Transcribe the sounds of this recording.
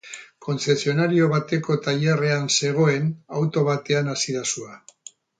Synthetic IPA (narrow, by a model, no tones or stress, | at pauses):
kʰo̞nse̞sio̞naɾio̞β̞at̪e̞ko̞t̪aʎare̞anse̞ɣ̞o̞e̞nawt̪o̞βat̪e̞anasiðasua